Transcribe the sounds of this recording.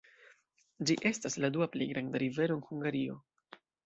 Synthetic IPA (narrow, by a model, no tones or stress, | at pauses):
d͡ʒiʔe̞stasladuaplejɡɾandaɾive̞ɾo̞enhuŋɡaɾio̞